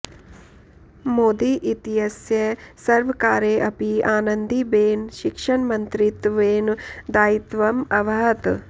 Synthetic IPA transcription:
moːd̪iʔit̪ijɐsjɐsɐɾʋɐkaːɾeːʔɐpiaːnɐnd̪ibeːnʃikʂɐɳmɐnt̪ɾit̪ʋeːnd̪aːjit̪ʋɐmɐʋɐɦɐt̪

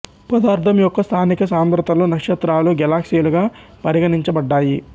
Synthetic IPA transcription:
pɐd̪aːɾt̪ʰɐmjɔkːɐst̪ʰaːnikɐsaːmbɾɐt̪ɐlunɐkʂɐt̪ɾaːluɡɛlaːksijɐluɡaːpɐɾiɡɐniɲt͡ʃɐbɐɖːaːji

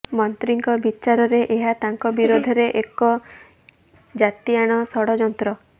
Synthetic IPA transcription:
mɔnt̪ɾiŋkɔbit͡ʃaɾɔɾeʔeɦat̪aŋkɔbiɾod̪ʱɔɾeʔekɔ | d͡ʒat̪iaɽ̃ɔsɔɽɔd͡ʒɔnt̪ɾɔ

